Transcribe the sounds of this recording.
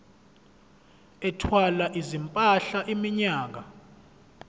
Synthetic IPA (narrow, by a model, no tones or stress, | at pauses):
ɛtʰwalaʔizimpʼaɬaʔimiɲaːk̬a